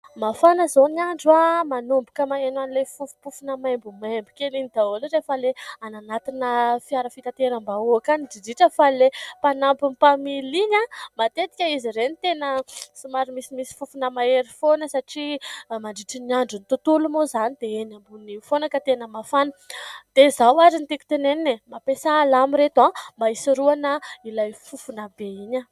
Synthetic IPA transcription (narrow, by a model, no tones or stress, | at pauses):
mafanəzoniaɳɖ͡ʐuamanumbukəmaenwanilefufu̥pufunəmajmbumajmbu̥kʲelinid̪aolɾefəleananat̪inəfiaɾəfit̪at̪eɾambauakaniɖ͡ʐiɖ͡ʐiʈ͡ʂəfalepanampumpamiliɲamat̪et̪i̥kʲəiziɾenit̪enəsimaɾimisimisi̥fufunəmaeɾifonəsaʈ͡ʂimaɳɖ͡ʐiʈ͡ʂəniaɳɖ͡ʐunit̪ut̪ulumozanid̪eenambunifonakət̪enəmafanə̥d̪̥ezawazint̪iku̥t̪eneninemapesaːlamiɾet̪ambaisiɾuanəilajfufunabeiɲə